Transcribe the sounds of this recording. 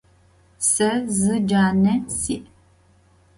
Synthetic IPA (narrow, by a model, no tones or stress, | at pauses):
səzɨd͡ʒanɛsiʔ